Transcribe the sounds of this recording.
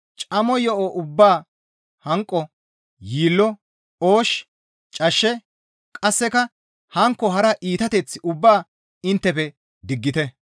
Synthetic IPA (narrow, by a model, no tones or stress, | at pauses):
t͡ʃʼɐmɔjɔʔoʔʊbːaː | hɐŋkʼːɔ | jiːlːɔ | oːʃ | t͡ʃʼɐʃːɛ | kʼɐsːɛkɐ | hɐŋkːɔɦɐɾɐʔiːt̪ɐt̪ɛt͡sːɪʔʊbːaː | ɪnt̪ːɛpɛ | d̪ɪɡːɪt̪ɛ